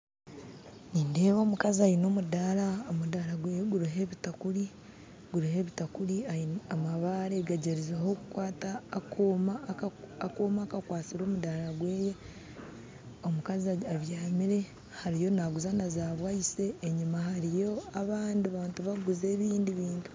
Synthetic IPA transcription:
niːndeːβoːmukaziajino̞ːmudaɾaomudaɾaɡweːjeɡuɾiɦe̞βitakuɾi | ɡuɾihe̞βitakuɾiaiamaβaɾeɡaɟeɾizaho̞ku̥kwaːtaːkʰomaakoːmaːkakwaːt͡siɾo̞ːmudaɾaɡwe̞ːje̞ | o̞mukaziaaβjaːmiɾe̞ | haɾijo̞naɡuzanazaːβwajise̞ːɲumahaɾijo̞aβaːndiβaːntuβaɡuze̞ːβiːndiβiːntu̥

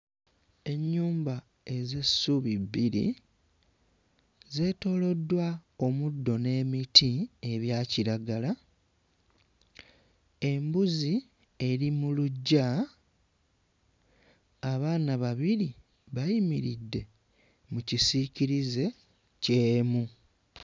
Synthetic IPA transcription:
e̞ɲːuːmba | e̞ze̞suβiβiɾḭ | ze̞ːto̞ːlo̞dːwao̞mudːo̞ne̞ːmitie̞βjaːciɾaɡala | e̞mbuzi | e̞ɾimuluɟːa | aβaːnaβaβiɾi | βajimiɾidːe̞ | mucisiciɾize̞ | ce̞ːmu

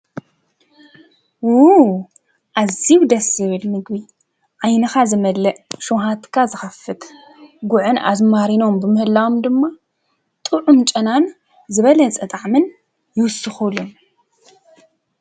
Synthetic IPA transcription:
wu | ʔaziwd̪ɐsɨβɨlmɨɡbi | ʕajnɐxazɨmɐlɐʔʃoɦat̪kʰazɨxɐfɨt̪ | ɡʊʕɨna̰zmaɾino̞mbɨmɨhɨlːawomd̪ɨmːa | t̪ʼɨʕunt͡ʃʼɐnan | zɨβɐlɐt͡sʼɐt̪ʼaʕmɨn | jɪwʊsːɨxulum

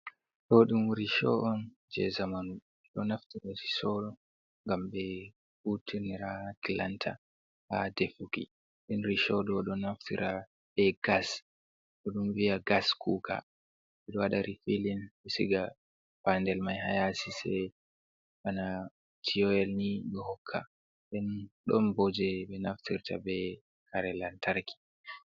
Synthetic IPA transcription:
ɗɔɗumɾiʃɔ̰ʔɔn | d͡ʒɛ̰zamanu | ɛɗɔnaftiɾaɾi̥sɔɗɔ | ŋɡambɛ | utʰiɾniɾatila̰ntʰa̰ | hadefukḭ | ɗinɾiʃɔɗɔɗɔnaftiɾʔa | ɓɛɡas | ɗɔɗumvijaɡaskʰuːkʰa̰ | ɓɛɗɔwaɗaɾifilinɓɛsḭɡa | pandɛlmajhajasisɛ̰ | ʔana | tʰiɔɛlniɗɔhɔkʰːa̰ | ɗɛnɗɔnbɔd͡ʒɛɓɛnaftʰiɾta̰bɛ | kaɾɛlantʰaɾkʰi̥

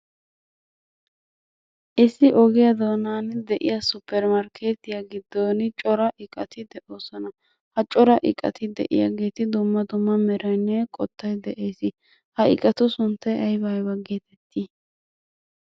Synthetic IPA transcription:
ʔɪsːɪʔɔɡɪjɐd̪oːnaːnd̪ɛʔɪjɐsʊpʰːɛɾmɐɾkʰe̞ːt̪ɪjɐɡɪd̪ːoːnt͡ʃʼɔɾɐʔɪkʼɐt̪ɪd̪ɛʔoːsɔnɐ | hɐt͡ʃʼɔɾɐʔɪ̰kʼɐ̰t̪ɪd̪ɛ̰ʔɪ̰ja̰ɡe̞ːt̪ɪd̪ʊmːɐd̪ʊmːɐmɛɾɐnːɛkʼɔt̪ːɐjd̪ɛʔe̞ːsɪ | hɐɪ̰kʼɐt̪ʊsʊnt̪ːɐɐjbɐjbɐɡeːt̪ʰɛt̪ːi

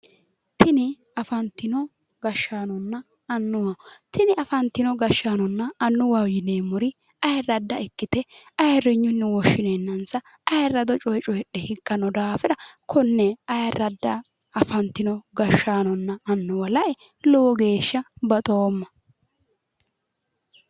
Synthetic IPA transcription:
t̪ɪnɪ | ɐfɐnt̪ːɪnɔ | ɡɐʃːaːnɔnːɐ | ɐnːʊwɐt̪ɪnɪɐfɐnt̪ːɪnɔɡɐʃːaːnɔnːɐɐnːʊwɐwjɪneːmʊɾɪ | ɐjɐrɐd̪ːɐɪkːɪt̪ɛɐjɐɾɪɲːʊnːɪwɔʃːɪnenːɐnsɐ | ɐjɐrːɐd̪ɔt͡ʃʼɔjt͡ʃʼɔjɛɗɛhɪkːɐnɔd̪aːfɪɾɐkʰɔnːɛɐjɐɾɐd̪ːɐː | fɐnt̪ːɪnɔɡɐʃːaːnɔnːɐɐnːɔwɐlɐʔɛ | lɔwɔɡe̞ːʃːɐbɐt̪ʼoːmːɐ

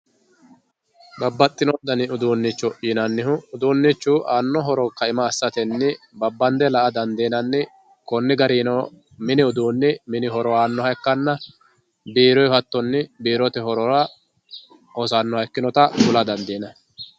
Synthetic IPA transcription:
bɐbːɐt̪ʼːɪnɔd̪ɐnɪʊd̪uːnːɪt͡ʃːɔʔiːnɐnːɪɦʊːd̪uːnːɪt͡ʃːuːʔaːnːɔɦɔɾɔkːɐɪmɐːsːɐt̪ɛnːɪ | bɐbːɐnd̪ɛlɐʔɐd̪ɐnd̪eːnɐnːɪ | kɔnːɪɡɐɾiːnɔ | mɪnɪʊd̪uːnːɪmɪnɪɦɔɾɔaːnːɔhɐjkːɐnːɐ | biːɾɔjhɐt̪ːɔnːɪbiːɾɔt̪ɛɦɔɾɔɐ | ɔsaːnːɔhɐjkːɪnɔt̪ɐɡʊlɐd̪ɐnd̪iːnɐ

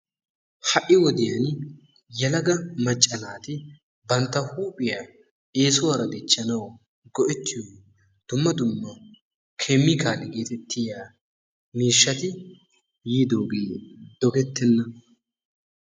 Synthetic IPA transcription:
hɐʔːɪwɔd̪ɪjɐn | jɛlɐɡɐmɐt͡ʃʼːɐnaːt̪ɪ | bɐnt̪ːɐhuːpʼɪjaː | e̞ːsʊwaːɾɐd̪ɛt͡ʃʼːɐnɐw | ɡɔʔɛt̪ːɪjo | d̪̥ʊmːɐd̪ʊmːɐ | kʰemːɪkaːlɪɡe̞ːt̪ɛt̪ːɪjaː | miːʃːɐt̪ɪ | jiːd̪oːɡeːd̪̥ɔɡɛt̪ːɛnːɐ

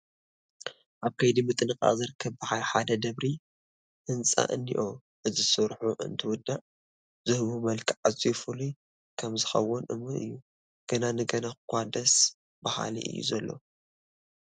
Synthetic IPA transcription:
ʔaβkʰɐjd̪imɨt̪ʼɨnɨkʼa̰zɨɾɨkʰːɐβbɨħajħad̪ɐd̪ɐβɾi | ʔɨnt͡sʼa̰ʔɨnːḭʔo | ʔɨzisɨɾħuʔɨ̰nt̪ʰɨwʊd̪ːaʔ | z̥ɨhβumɐlkʰiʕazifɨli | kʰɐmzɨxɐ̰wʊnʔɨ̰mɨnɨ̰jːu | ɡ̥ɐnanɨɡɐnaxɨkʷʰːad̪ɐs | baha̰lḭʔɨ̰jːṵzɐlːo̞̰

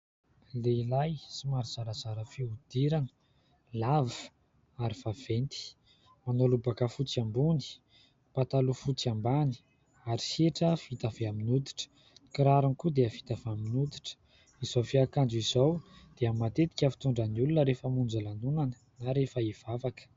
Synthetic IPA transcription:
leilajsimaɾiz̥aɾəzaɾəfiud̪̥iɾanə̥ | lavu̥ | aɾiv̥av̥ent̪i̥ | manolubakəfut͡siambuni̥ | pat̪alufut͡sambani̥ | aɾiseʈ͡ʂəfit̪aveaminud̪i̥ʈ͡ʂə̥ | kiɾaɾinkud̪eəfi̥t̪avaminud̪iʈ͡ʂə̥ | izofiakand͡ʒuizowd̪̥eamat̪et̪i̥kʲafi̥t̪uɳɖ͡ʐaniulunəɾefəmund͡zalanunanə̥ | naɾefəaiv̥avakə̥

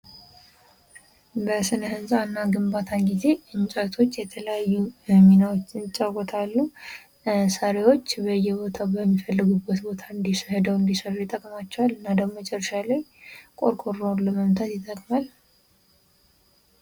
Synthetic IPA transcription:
bəsɨnəhɨnsʼanːaɡɨmbat̪ʰanɡize̞ʔɨnt͡ʃʼajt̪ʰo̞t͡ʃːjɛt̪ʰələjajːumminawot͡ʃːɪnt͡ʃʼːakɔt̪ʰalːu | saɾewo̞t͡ʃːbəjːɛbo̞t̪ʰabəmːifəlːɨɡubːət̪bo̞t̪ʰaɨnd̪ishɛd̪əwɨnd̪isərːujɛt̪ʼəkʼmat͡ʃːɛwalɨnːad̪əmət͡ʃʼɛrːəʃalajkʼo̞̰ɾkʼoɾːalləməmt̪ʰat̪jɪt̪ʼəkʼmal

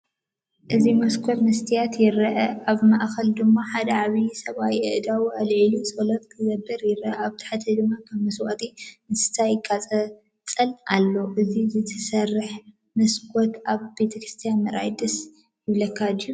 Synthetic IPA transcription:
ʔɨzimɐskʰot̪nɨst̪ʰijat̪jɪɾɐʔɐʔaβmaʔxɐld̪ɨmːaħad̪ɐʕaβisɐβawiɨʔd̪awuɐlʕilusʼolɐt̪kɨɡɐbːɐɾjɪɾʔɐaβt̪ʰɐ̥ħat̪ʰɐd̪ɨmːakʰɐβmɐswat̪ʼinɨsɨ̥t̪ʰajɪkʼːat͡sʼɐ | t͡sʼɐlʔalːo̞ʔɨzizɨt̪ʰɐsɐrːɨħ | mɐskʰʷʼot̪aβbe̞t̪ʰɐkʰɾɨst̪ʰijanmɐɾajd̪ɐs | jɪβlɐkʰːad̪ju

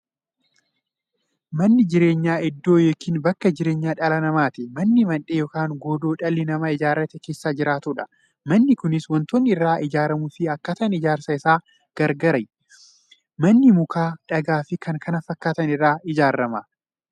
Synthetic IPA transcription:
mɐnːɪd͡ʒɪɾe̞ːɲːaːɪd̪ːo̞ːjɔkːɪːnbɐkːɐd͡ʒɪɾe̞ːɲːaːᶑɐlɐnɐmaːt̪ɪmɐnːɪmɐnᶑeːjɔːkaːŋɡoːd̪oːᶑɐlːɪnɐmɐɪd͡ʒaːɾːɐt̪ɛke̞ːsːaːd͡ʒɪɾaːt̪uᶑɐ | mɐnːɪkʊnɪswɔnt̪oːnːɪɪrːaːʔɪd͡ʒaːɾɐmufɪɐkːɐt̪ɐnɪd͡ʒaːɾsɐɪsaː | ɡ̥ɐɾɡɐɾɐj | mɐnːɪmʊkaːᶑɐɡaːfɪkʰɐŋkʰɐnɐfɐkːaːt̪ɐnɪrːaːɪd͡ʒaːɾːɐmɐ

